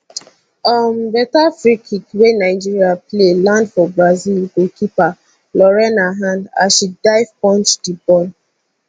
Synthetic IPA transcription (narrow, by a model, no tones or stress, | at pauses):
ɔmbɛtafɹikʰikwenaɪd͡ʒiɹiaplelãndfɔbɹazilɡokipa | lɔɹɛnaɦãnda̰ʃidaɪvpɔ̃nt͡ʃdibɔn